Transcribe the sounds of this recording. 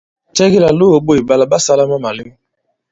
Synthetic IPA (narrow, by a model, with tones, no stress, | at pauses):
tɛ˦ki˦la˨lo˦o˨ɓo˦i˨ba˦˨la˦ba˦˨sa˦la˦ma˦ma˨li˦m˦